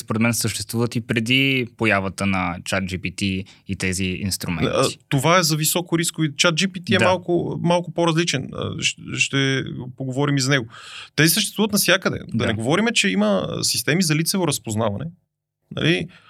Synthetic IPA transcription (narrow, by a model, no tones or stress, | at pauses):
spoɾɛt̪mɛnsəʃt̪ɛ̥st̪vuvət̪ipɾɛd̪ipojavət̪ənɐt͡ʃat̪̚d͡ʒipit̪iit̪ɛziḭnst̪ɾumɛ̰̃ni̥t̪ovaɛzɐvisɔkʊɾiskʊvit͡ʃat̪̚d͡ʒipit̪iɛmalˠkʊmalˠkʊpoɾɐzlit͡ʃɛnə̰ʃʃt̪ɛpoɡovɔɾimizɐnɛɡot̪ɛsisəʃt̪ɛst̪uvət̪nɐsjakəd̪ɛ̰d̪ɐnɛɡovɔɾimɛt͡ʃɛimə̰si̥st̪ɛmizɐlit̪sɛvoɾɐspoznavɐnɛ̰ | nɐ̰li